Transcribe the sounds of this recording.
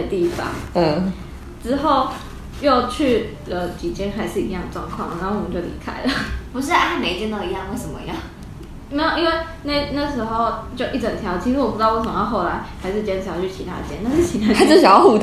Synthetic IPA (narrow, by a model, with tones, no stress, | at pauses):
ə˩t̪i˥˧fɑ̰˨˥ŋ̩˩ | ʈ͡ʂɻ̩˥xo˥˧ʊ | jo˥˧ʊt͡ɕʰy˥˩ | lə˩t͡ɕi˨˩t͡ɕjɛ˥nxa˧ɪʂɻ̩˥˩ḭ˧˥jɑ˥˩ŋd̪ə˩ʈ͡ʂwɑ˥˧ŋkʰwɑ̰˥˩ŋ˨na˧˥o˥˩wmə˨˦t͡ɕjo˥˩ʊlḭ˧˥kʰa̰˥ɪlə˨˩pu˧˥ʂ̬ɻ̩˥˩a˥˩me˧˥ɪt͡ɕjɛ˥˧nt̪ɑ˥˩i˧˥jɑ˥˧ŋwe˥˩ɪʂə˨˩mə̰˧jɑ˥˩ŋ | me˧˥ɪjo˨˩i˦˥nwe˥˧ɪ | na˥˩na˥˩ɡə˩ʂɻ̩˧˥xo˥˧ʊt͡ɕjo˥˧ʊʔi˥˩ʈ͡ʂə˨˩nt̪ʰjɑ˧˥ʊt͡ɕʰi˧˥ʂɻ̩˥wɔ˨˩pu˧˥˧wʂə˨˩mə˦jɑ˥˧xo˥˩ʊla˧˥ɪxa˧˥ɪʂɻ̩˥˩t͡ɕjɛ˥n̩ʰ˨˩jɑ˧˥˩t͡ɕʰy˥˩t͡ɕʰi˧˥t̪ʰa̰˥˧t͡ɕjɛ̰˥na˥˩ʂɻ̩˥˩t͡ɕʰi˧˥a˥ʈ͡ʂɕ̬ɑ˨˩jxu˥˧˩